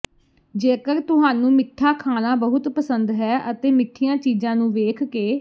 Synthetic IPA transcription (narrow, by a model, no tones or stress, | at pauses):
d͡ʒeːkəɾt̪ʊɦaːnũːmɪʈʰːaːkʰaːnãːbəɦʊt̪pəsənd̪ɦɛːʔət̪eːmɪʈʰːijãːt͡ʃiːzãːnũːʋeːkʰkeː